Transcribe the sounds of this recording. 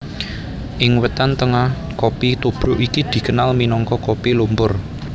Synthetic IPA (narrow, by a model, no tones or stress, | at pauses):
ʔɪŋwət̪ant̪əŋah | kopit̪ub̥ɾʊʔikid̪̥i̤kənalminɔŋkɔkopilumpʊr